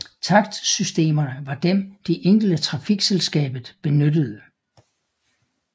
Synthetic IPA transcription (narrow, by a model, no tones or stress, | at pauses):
t͡sʰɑ̈ɡ̥d̥sysd̥e̝̰ːmɐnəʋɑ̈d̥emd̥e̝ʔeŋ̰ɡ̥l̩d̥ət͡sʰʁɑ̈fiɡ̥selsɡ̥ɛ̰ːb̥ð̩ˠb̥e̝nød̥əð̞̩ˠə